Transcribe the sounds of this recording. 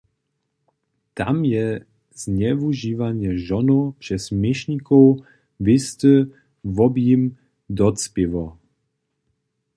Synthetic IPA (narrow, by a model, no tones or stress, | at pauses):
t̪a̰mjɛ | z̥ɲɛvuʒiːvaɲɛʒɔnopʂɛsmɪʃɲikow | vɪst̪ə | vɔbjim | d̪ɔt͡spɪvo